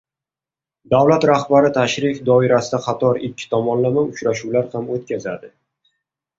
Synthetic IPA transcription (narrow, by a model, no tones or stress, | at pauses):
d̪awlat̪ɾahbaɾɪt̪ʰaʃɾɪfd̪ɒɪɾasɪd̪aqʰɑt̪ʰɒɾɪkʲʰːɪ̥t̪ʰɒmɒnlamaʊt͡ʃɾaʃuwlaɾhamot̪̚kʲaza̰d̪ɪ